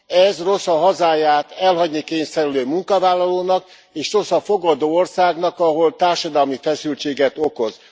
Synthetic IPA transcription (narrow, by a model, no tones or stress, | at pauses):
ɛzro̞sɒɦɒzaːjaːt̪ɛlɦɒɟnikeːɲsɛɾyløːmuŋkɒvaːlːɒloːnɒk | eːʃro̞sɒfo̞ɡɒd̪oːorsaːɡnɒkɒɦo̞lt̪aːrʃɒd̪ɒlmifɛsylt͡ʃeːɡɛt̪o̞ko̞z